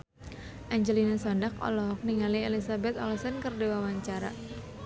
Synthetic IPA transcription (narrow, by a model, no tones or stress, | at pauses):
ʔaɲd͡ʒɛlinasɔndak̚ɔ̰lɔɦɔk̚niŋalielisabɛt̪ɔ̰lɔsənkərdewawaɲt͡ʃaɾa̰